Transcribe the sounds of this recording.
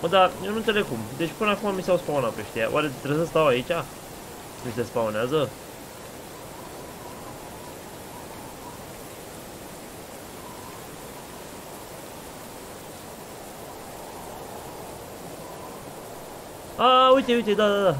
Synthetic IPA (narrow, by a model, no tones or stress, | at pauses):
əd̪ajenunelekumd̪e̞t͡ʃpɨnəakumamiseawspaonapeʃt̪eja̰ʔaɾet̪ɾebs̬əst̪await͡ʃʲa | mis̬espaoneazə | aujt̪e̞ujt̪̬ed̪ad̪ad̪a